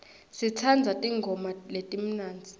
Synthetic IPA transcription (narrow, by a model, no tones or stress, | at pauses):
sit͡sʰand͡zʱatʼiŋɡʱɔmaletʼim̩naːnd͡zʱi̥